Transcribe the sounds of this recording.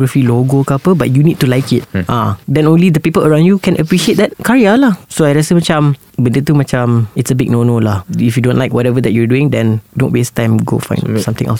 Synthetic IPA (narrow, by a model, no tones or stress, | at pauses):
ɡɹəfiloɡokapəbat̚junid̚tulaɪkɪt̚ʔãdɛ̃nõnlidəpipələɹãw̃ndjukɛ̃nʔəpɹiʃiet̚d̪ɛt̚kʰaɹialahsoajɹɛsəmat͡ʃãm | bəndɛt̪umat͡ʃãmɪtsəbɪɡ̚nonolahifjudõntlaɪkwɔɾɛvəd̪ɛt̚jɔduɪ̃ŋdɛ̃ndõnwestãɪ̃mɡo̰fã̰ɪ̃nsãmt̪ɪ̃ŋɛ̰ls